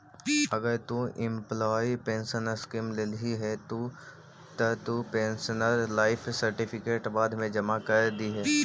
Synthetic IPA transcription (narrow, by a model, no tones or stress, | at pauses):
ɐɡəɾt̪uʔɪ̃mplɔːipẽːnsənəɾskimleliɦɛt̪o | t̪ət̪upẽːnsənəɾlaːɪpʰsɐɾʈɪpʰɪkeːʈbaːd̪ʱmẽd͡ʒɐmakɐɾd̪iɦɛː